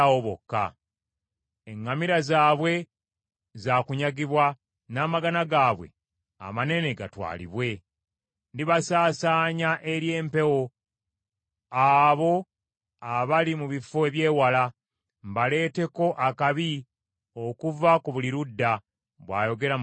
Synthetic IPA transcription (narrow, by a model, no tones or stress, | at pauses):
oβo̰kːa̰ | eŋːamiɾazaːβwe̞ | zaːkuɲaɡiβwa | naːmaɡanaɡaːβwe̞̰ | a̰mane̞ne̞ɡa̰twa̰ːlḭβwe̞ | ndiβasaːsaːɲaʔe̞ɾje̞ːmpe̞wo̞ | aβo̞ | aβalimuβifoeβje̞ːwala | mbale̞ːte̞ko̞ʔakaβi | o̞kuvakuβuliɾudːa | βwa̰ːjo̞ɡe̞ɾa